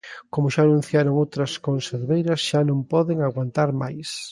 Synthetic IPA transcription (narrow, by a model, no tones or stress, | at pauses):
komʊʃaːnũn̟θjaɾoŋowt̪ɾɐskonseɾβejɾɐsʃanõmpɔðeŋaɣwant̪aɾmajs